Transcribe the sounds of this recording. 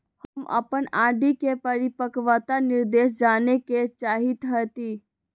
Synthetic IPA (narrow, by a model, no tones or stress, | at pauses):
həmʔə̰pənaɖikepəɾipəkʋat̪aniɾd̪es̬d͡ʒaneket͡ʃaːɦit̪ɦət̪i